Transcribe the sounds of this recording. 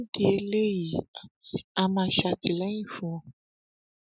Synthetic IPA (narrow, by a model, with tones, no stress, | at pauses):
di˦e˦le˦ji˨ | a˧mã˧ʃa˧ti˨lɛ˦ĩ˦fũ˧ɔ̃˨